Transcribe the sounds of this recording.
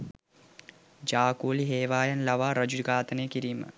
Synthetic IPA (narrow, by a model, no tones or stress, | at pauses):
d͡ʒaːkuːliɦeːʋaːjanlaʋaːɾɐd͡ʒuɡaːt̪ənejːkiɾiːmə̰